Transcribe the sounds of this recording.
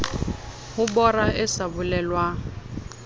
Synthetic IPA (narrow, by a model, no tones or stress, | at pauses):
hʊbɔraɪsabʊlɛlwa